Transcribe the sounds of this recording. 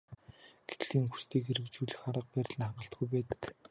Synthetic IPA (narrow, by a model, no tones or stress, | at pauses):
ɡ̥e̥t̪ɮiːŋxust̪ʰiːkeɾɘ̆kt͡ɕuːɮɘ̆xaɾə̆q̚pæːɾʲɪ̆ɮ̆nχaɴɢə̆ɬt̪ɡujpæːt̪ə̥̆k